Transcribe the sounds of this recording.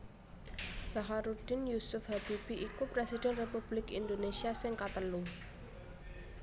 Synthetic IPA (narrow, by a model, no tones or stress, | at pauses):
laɦaɾud̥ɪnjusʊfɦab̥ib̥iʔikupɾesid̥ɛnrepub̥lɪkḭnd̪onesiasɪŋkat̪əlu